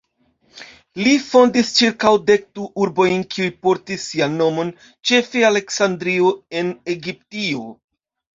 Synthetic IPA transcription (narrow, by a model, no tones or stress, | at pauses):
lifo̞ndist͡ʃiɾkawde̞k̚duʔuɾbo̞jnkiujpo̞ɾtisːianːo̞mo̞n | t͡ʃe̞feale̞ksandɾioe̞ne̞ɡip̚tio